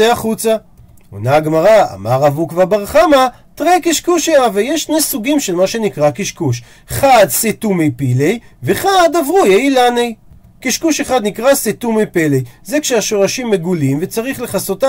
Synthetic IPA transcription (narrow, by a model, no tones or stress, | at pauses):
eaχut͡sa | o̰naɡmaʁaa̰maʁavukvabaʁχama | t̪ʁekiʃkuʃejavejeʃʃnejsuɡimʃe̞lmaʃe̞nikʁakiʃkuʃ | χad̪set̪umejpilejveχad̪avʁujeilanej | kiʃkuʃeχad̪nikʁaset̪umejpelejzekʃeaʃo̞ʁaʃimːe̞ɡulimve̞t͡saʁiχle̞χaso̞t̪a